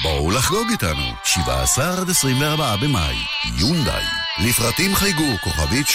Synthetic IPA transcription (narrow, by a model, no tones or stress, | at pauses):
bolaχɡo̞ɡita̰nṵʃiva̰ːsaχad̪esʁimveaʁbaabema̰jː | und̪a̰j | lifʁatimχajɡukoχa̰vit